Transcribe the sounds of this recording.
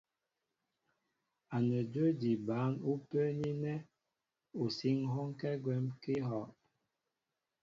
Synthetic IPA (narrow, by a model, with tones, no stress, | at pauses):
a˨nə˨d͡ʒə˦di˨ba˨˦nu˦pə˦ɲi˦nɛ˦ | u˨si˦ŋɦɔ˦ŋkɛ˦ɡwɛ˦mki˦hɔ˨ʔ